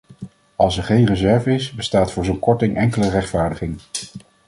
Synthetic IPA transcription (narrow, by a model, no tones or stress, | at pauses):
ɑlˠsɛɹχejnrəzɛɹvəɪsbəstaːtfʊːɹzonkɔɹtɪŋʔɛŋkələrɛχtfaːɹdəχɪŋ